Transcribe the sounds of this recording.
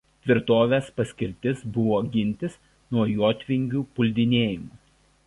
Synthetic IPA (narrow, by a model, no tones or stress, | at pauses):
t̪ʲʋʲɪɾt̪oːʋʲespɐsʲkʲɪɾʲt̪ʲɪsbʊʋoːɡʲɪnʲt̪ʲɪs | nuɔjoːt̪ʲʋʲɪŋʲɡʲuːpʊlʲd̪ʲɪnʲeːjɪmu